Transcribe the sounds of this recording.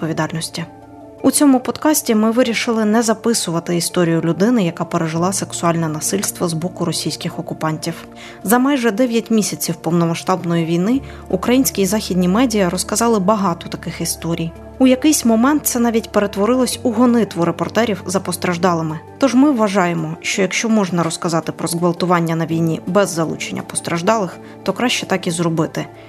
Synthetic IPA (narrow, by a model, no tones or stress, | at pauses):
t̪pɔʋʲid̪ɑlʲnɔsʲtʲi | ut͡sʲɔmʊpɔd̪kɑsʲtʲimɪʋɪɾʲiʃɪlˠɪnɛzɐpɪsʊʋɐt̪ɪist̪ɔɾʲijʊlʲʊd̪ɪnɪjɐkɑpeɾeʒɪlˠɑseksʊɑlʲnɛnɐsɪlʲst̪ʋɐzbɔkʊɾɔsʲijsʲkɪxɔkʊpɑnʲtʲiw | zɐmɑjʒɛd̪ɛʋʲjɐtʲmʲisʲɐt͡sʲiwpɔwnɔmɐʃt̪ɑbnɔjiʋʲijnɪ | ukɾɐjinʲsʲkʲizɑxʲidʲnʲimɛdʲijɐɾɔskɐzɑlˠɪbɐɦɑt̪ɔt̪ɐkɪxist̪ɔɾʲij | ujɐkɪjsʲmɔmɛnt̪̚sɛnɑʋʲitʲpe̞ɾe̞t̪ʋɔɾɪlˠɔsʲuɦɔnɪt̪ʋɔɾepɔrt̪ɛɾʲiwzɐpɔst̪ɾɐʒd̪ɑlˠɪmɪt̪ɔʒmɪʋːɐʒɑjemɔʃt͡ʃɔjɐkʃt͡ʃɔmɔʒnɐɾɔskɐzɑt̪ɪpɾɔzɣʋɐlˠt̪ʊʋɑnʲːɐnɐʋʲijnʲḭbɛzːɐlˠṵt͡ʃenʲːɐ̰pɔ̥st̪ɾɐʒd̪ɑlˠɪx | t̪ɔkɾɑʃt͡ʃɛt̪ɑkizɾɔbɪt̪ɪ